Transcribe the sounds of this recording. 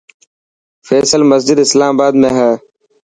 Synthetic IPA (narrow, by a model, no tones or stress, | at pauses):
feːsəlməsd͡ʒɪd̪ɪslaːmbaːd̪mẽːɦɛː